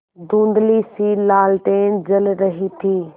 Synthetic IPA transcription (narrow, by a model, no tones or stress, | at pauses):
d̪ũːnd̪lisiːlaːlʈ̪eːnd͡ʒɐlɾɐɦit̪ʰiː